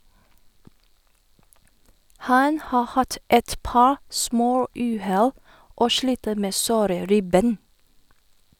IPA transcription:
ˈhɑn ˈhɑː ˈhɑt ˈɛt ˈpɑːɹ ˈsmoːˌʉːˌhɛl ˈoː ˈʃliːtə ˈmeː ˈsoːɾə ˈɾɪˌbeːn

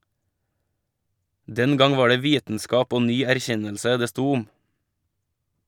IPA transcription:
ˈdɛn ˈɡɑŋ ˈʋɑː ˈɖeː ˈʋiːtn̩ˌskɑːp ˈoː ˈnyː æɾˈçɛnəlsə ˈdeː ˈstuː ˈʊm

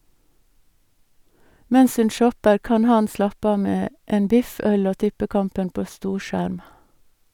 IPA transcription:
ˈmɛns ˈʉn ˈʃɔpəɾ ˈkɑn ˈhɑn ˈslɑpə ˈɑː ˈmeː ˈeːn ˈbɪf ˈœl ˈoː ˈtɪpəˌkɑmpən ˈpoː ˈstuːˌʃæɾm

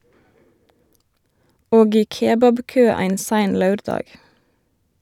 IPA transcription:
ˈoːɡ ˈiː ˈkeːbɑbˌkøː ˈæɪn ˈsæɪn ˈlɑʉɾˌdɑːɡ

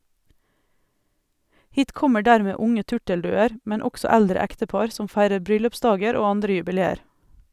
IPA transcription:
ˈhiːt ˈkɔmə ˈɖæːɾmeː ˈʊŋə ˈtʉʈəlˌdʉːəɾ ˈmɛn ˈɔɡsɔ ˈældɾə ˈæktəˌpɑɾ ˈsɔm ˈfæɪɾəɾ ˈbɾʏlʉpˌsdɑːɡəɾ ˈoː ˈɑndɾə jʉbɪˈleːəɾ

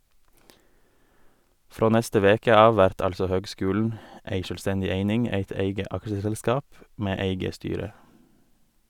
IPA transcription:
ˈfɾoː ˈnɛstə ˈʋeːkə ˈɑːʋ ˈʋæɾt ˈɑʎsɔ ˈhøːɡˌskʉːln̩ ˈeɪ ˈʃøːlˌstɛɲɟɪ ˈeɪnɪŋ ˈeɪt ˈeɪɡə ˈɑkʃəsɛlˌskɑːp ˈmeː ˈeɪɡə ˈstyːɾə

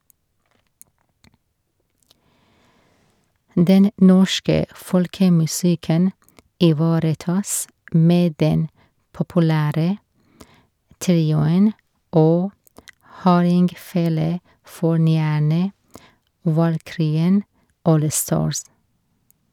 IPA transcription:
ˈdɛn ˈnɔʃkə ˈfɔɽkəmʉˌsɪkən ɪˈʋɑːɾəˌtɑːs ˈmeː ˈdɛn pɔpʊˈlæːɾə ˈtɾiːʊən ˈoː ˈhɑːɾɪŋɡˌfeːləˌfɔɳyːæɳə ʋɑlˈkɾyːən ˈʔoːlˌstɑːɹs

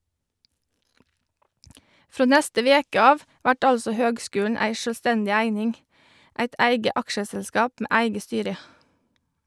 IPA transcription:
ˈfɾoː ˈnɛstə ˈʋeːkə ˈɑːʋ ˈʋæʈ ˈɑlsɔ ˈhøːɡˌskʉːlɳ̩ ˈæɪ ˌʃøːlˈstɛndɪ ˈæɪnɪŋ ˈʔæɪt ˈæɪɡə ˈɑkʃəsɛlˌskɑːp ˈmeː ˈʔæɪɡə ˈstyːɾə

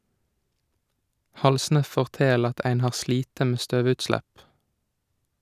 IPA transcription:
ˈhɑlsnə ˌfɔʁˈteːl ˈɑt ˈæɪn ˈhɑːʁ ˈsliːtə ˈmeː ˈstøːˌʋʉtˌslæp

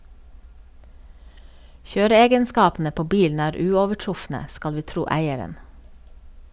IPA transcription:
ˈçøːɾəˌeːɡənˌskɑːpn̩ə ˈpoː ˈbiːln̩ ˈæːɾ ˈʉːɔʋəˌʈɹʊfnə ˈskɑl ˈʋiː ˈtɾuː ˈæɪəɾən

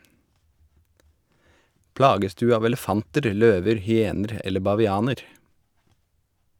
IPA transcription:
ˈplɑːɡəs ˈdʉː ˈɑːʋ ɛləˈfɑntəɾ ˈløːʋəɾ hʏˈeːnəɾ ˈɛlə bɑʋɪˈɑːnəɾ

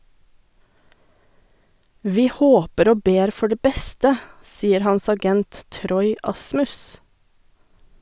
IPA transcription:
ˈʋiː ˈhoːpəɾ ˈoː ˈbeːɾ ˈfɔ ˈɖeː ˈbɛstə ˈsiːəɾ ˈhɑns ɑˈɡɛnt ˈtɾɔʏ ˈɑsmʉs

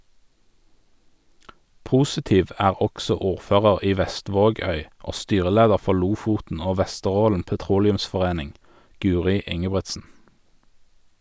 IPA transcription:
ˈpuːsɪˌtiːʋ ˈæːʁ ˈɔksɔ ˈuːʁˌføːʁəʁ ˈiː ˈʋɛˌstʋoːˌɡœʏ ˈoː ˈstyːʁəˌleːdəʁ ˈfɔʁ ˈluːfuːtn̩ ˈoː ˈʋɛstəˌʁoːln̩ pɛˈtʁuːlɪʉmsfɔˌʁeːnɪŋ ˈɡʉːʁɪ ˈɪŋəbʁɛtsn̩

